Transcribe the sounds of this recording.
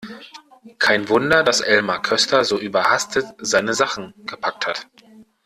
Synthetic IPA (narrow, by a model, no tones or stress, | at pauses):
kʰaɪnvʊndɐdasʔɛlmakʰœstʰɐzoːʔyːbɐhastʰətz̥aɪnəzaχn̩ɡ̥əpʰak̚that